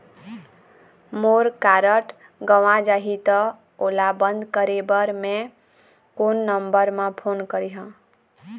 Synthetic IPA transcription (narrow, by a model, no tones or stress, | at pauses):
moɾkaɾəʈ | ɡəʋãd͡ʒaɦit̪ɔ | olabənd̪ʱkəɾebəɾmẽ | konːəmbəɾmãpʰonkəɾiɦə̃